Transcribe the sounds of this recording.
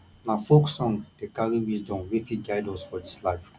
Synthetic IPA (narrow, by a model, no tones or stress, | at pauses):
nafoksɔ̃ŋd̥ekaliwisdɔ̃mwifiɡajdɔ̃sfɔdislaɪf